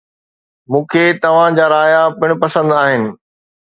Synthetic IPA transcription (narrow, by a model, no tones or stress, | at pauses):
mũːkʰeːt̪ɐʋ̤ãd͡ʑaːɾaːjapɪɽ̃ʊpɐsə̃nd̪aːɦɪnɪ̆